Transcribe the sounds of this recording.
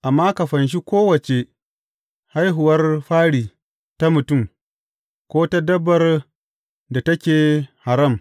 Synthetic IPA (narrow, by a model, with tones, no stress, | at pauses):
ʔa˨mːaː˦ka˨ɸɐ˨nʃ̬i˦kʷoː˦wɐ˨t͡ʃe˨ | ha˦jɦʊ˨wɐ˦rɸaː˦ɽiː˨ | ta˦mʊ˨tʊ˦˨m | kʷoː˦ta˦dɐ˦bːɐ˨r | da˨tɐ˦kʲeː˨ha˨ɾɐ˦˨m